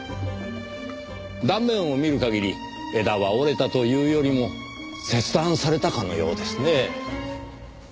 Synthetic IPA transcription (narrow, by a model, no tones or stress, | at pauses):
d̪ãmbẽ̞ɰ̃o̞mʲiɾɯ̟kaɡʲiɾʲi | e̞d̪aβao̞ɾe̞t̪at̪o̞jɯ̟ːjo̞ɾʲimo̞ | se̞t͡sɨd̪ãɰ̃saɾe̞t̪akano̞̰jo̞̰ːd̪e̞sɨne̞